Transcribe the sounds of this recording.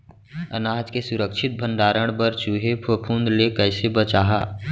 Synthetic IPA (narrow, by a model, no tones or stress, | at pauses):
ə̰naːɦd͡ʒkesʊɾəkʃʰɪt̪̚bʱə̃ɳɖaːɾəɽ̃bəɾt͡ʃuɦepʰopʰũnd̪lekəɪsebət͡ʃaːɦa̰ː